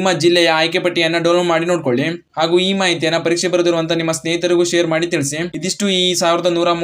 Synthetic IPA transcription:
mːɐd͡ʒilːɛjɐaːjkepɐʈːijɐnːɐɖɐʋlɐbmaːɽino̞ːɽ̚ko̞ɭːiɦaːɡuːiːmaːɦit̪̬ijɐnːɐpɐɾiːkʂɛbɐɾɐd̪iɾuʋɐnt̪ɐnimːɐsneːit̪ɐɾiɡuʃejɐɾmaːɽit̪iɭsiid̪iʂʈuiːsaːʋiɾɐd̪ɐnuːɾam

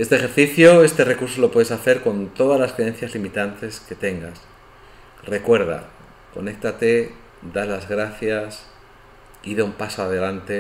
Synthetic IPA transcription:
e̞st̪exe̞ɾθiθjoe̞st̪e̞re̞kuɾs̬o̞lo̞pwe̞ðesaθe̞ɾko̞nt̪o̞ðazlaskɾeen̟θjazlimit̪ant̪e̞ske̞t̪e̞ŋɡas | re̞kwe̞ɾð̞a̰ | ko̞̰ne̞k̚t̪at̪e̞ | d̪alazɣɾaθjas | iðeumpasoaðe̞lant̪e

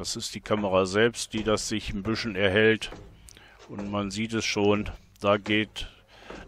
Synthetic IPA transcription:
d̥asɪstd̥iːkʰaməʁaːzɛlpstd̥iːdasz̥ɪçɪmbʏʃn̩ɛɐɦɛlt | ʔʊntmanziːtɛsʃoːn | d̥aːɡeːt

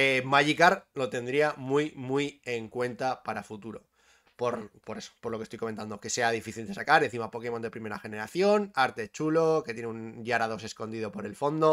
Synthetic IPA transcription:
emaʝikaɾlo̞t̪e̞nd̪ɾiamujmuje̞ŋkwe̞nt̪apaɾafut̪uɾo̞̰ | po̞ɾpoɾeso̥po̞ɾlokest̪ojko̞ment̪and̪o̞ke̞se̞að̞ifiθild̪e̞sakaɾe̞n̟θimapo̞ke̞mo̞nd̪e̞pɾime̞ɾaxe̞ne̞ɾaθjo̞naɾt̪e̞t͡ʃulo̞ket̪jeneunʎaɾaðo̞se̞sko̞nd̪iðo̞po̞ɾe̞lfo̞nd̪o̞

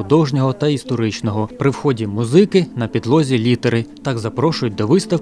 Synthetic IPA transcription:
ʊd̪ɔʒnʲɔɦɔt̪ɐist̪ɔɾɪt͡ʃnɔɦɔpɾɪwxɔdʲimʊzɪkɪnɐpʲid̪lˠɔzʲilʲit̪eɾɪt̪ɑɡzɐpɾɔʃʊjʊt̚ʲd̪ɔʋɪst̪ɐw

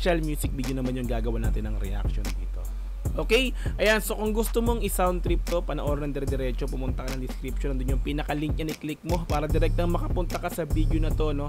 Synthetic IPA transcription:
ʃɐlmjuːsɪk̚biːd̪jonɐmanjʊŋɡaːɡɐwanaːt̪ɪnːɐŋɾɛ̰ʔa̰k̚ʃond̪ḭːt̪o̞̰ | ʔoːkɛjʔɐjanso̞kʊŋɡʊst̪omo̞ŋɪsawnt̪ɾɪp̚t̪o̞pɐnɐʔoːɾɐnɐŋd̪ɛɾd̪ɛɾɛːt͡ʃo̞pʊmʊnt̪ɐkɐnɐŋd̪ɪskɾɪpʃonɐnd̪ʊnjʊŋpiːnɐkɐliŋk̚ɲɐnɪklɪk̚mo̞paːɾɐd̪ɛɾɛk̚t̪ɐŋmɐkɐpʊnt̪ɐkɐsɐbid̪jonɐt̪o̞no̞

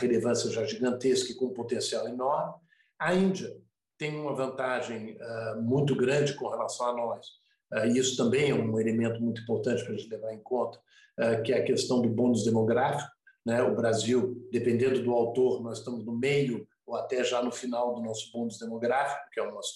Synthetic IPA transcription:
ʁelevɐ̃sjɐʒaʒiɡɐ̃nt̪eskɐɪkõũpot̪ẽsiawenɔɾmɪ | aĩd͡ʒiɐ | t̪ẽj̃ũmɐvɐ̃nt̪aʒẽj̃ɛmũj̃t̪̬ʊɡɾɐ̃d͡ʒɪkõhelasɐ̃w̃anɔs | ɛɪisʊ̥t̪ɐ̃mbẽj̃ɛũelemẽnt̪ʊmũj̃t̪uĩpoɾt̪ɐ̃t͡ʃɪpɾɐʒẽnt͡ʃɪlevaɾẽj̃kõnt̪ɐ̥ | ɛkɪɛɐkest̪ɐ̃w̃d̪ʊbõd̪ʊzd̪emoɡɾafi̥kʊ | nɛʊbɾaziwd̪epẽnd̪ẽnd̪ʊd̪ʊawt̪oɾnɔzɪst̪ɐ̃mʊznʊmejʊ | oat̪ɛʒanʊfinawd̪ʊnɔsʊ̥bõd̪ʊzd̪emoɡɾafi̥kʊ̥kɪɛũmɐ

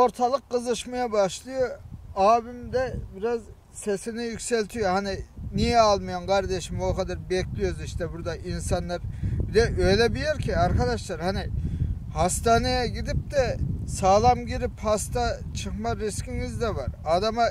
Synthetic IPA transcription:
o̞ɾt̪ʰalˠɯk̚ːɯzɯʃmajabaʃlˠɯjoaːbimd̪ɛbiɾaz | sesinijycʲselʲt̪ʰijohanɪnijɛalˠmɯjankʰɑɾd̪eʃimokʰad̪aɾbɛklʲijoziʃt̪ɛbuɾd̪aʔinsanlˠaɾbid̪ɛʔø̞jlʲɛbijɛɾcʰiaɾkʰad̪aʃlˠaɾhanɪhast̪aːnejɛɟʲid̪ip̚d̪ɛsaːlˠamɟiɾiphast̪ʰa | t͡ʃʰɯχmaɾiskʲiŋizd̪ɛvaɾaːd̪ama

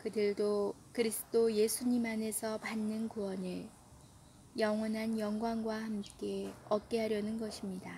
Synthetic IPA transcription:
kɯdɯɭdokɯɾisʰɯ̥t͈oje̞sʰuɲimɦane̞sʰʌpanːɯnkuwʌnɯɭ | jʌŋwʌnɦanjʌŋɡwaŋɡwahamk͈e̞ʌk̚k͈e̞ɦaɾjʌnɯnɡʌɕʰimɲida

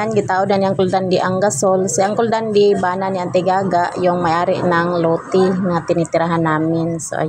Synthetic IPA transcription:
anɡit̪audanjaŋkuldandiʔaŋɡasɔlsjaŋkuldandibananjant̪ɛɡaɡaʔjɔŋmajaɾiʔnaŋlot̪iŋat̪init̪iɾaɦanaminsɔ̰

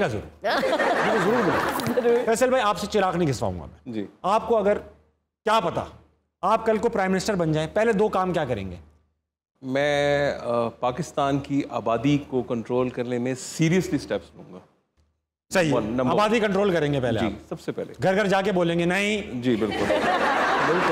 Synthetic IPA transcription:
kazɐɾṵːɾjiozɐɾuːɾbɪla̰fɛːsəlbʱaːiaːpset͡ʃɪɾaːknɐɦĩɡʱɪsʋa̰ːṵ̃ŋɡa̰mɛ̰̃ːd͡ʒiːaːp̚koɐɡəɾ | kjaːpɐt̪a̰ | aːp̚kɐlkopɾaːɪmɪnɪsʈəɾbɐ̃nd͡ʒaːẽpɛɦled̪oːkaːmkjaːkɐɾḛ̃ːŋɡḛː | mɛ̃ː | paːkɪst̪aːnkiʔaːbaːd̪ikokɐ̃ɳʈɾoːlkɐɾnemẽsiːɾijəslisʈɛpslũːŋɡaː | sɐɦienɐ̃maːbaːd̪ikɐ̃ɳʈɾoːlkɐɾẽːŋɡepɛɦlḛaḭːpsɐbsepɛɦleɡʱɐɾɡʱɐɾd͡ʒaːk̬eboːlẽːŋɡenɐɦĩd͡ʒiːbɪlkʊl | bɪlkʊ

